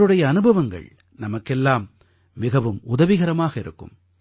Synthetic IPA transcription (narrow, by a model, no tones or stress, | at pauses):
ɾɯɽɐjɐːnɯbɐʋɐŋɡɐ̰ɭ | nɐmɐkːɛlːaːmː | ɪɣɐʋɯmʊðɐʋɪɣɐɾɐmaːɣɐɪɾɯ̰kːɯ̰m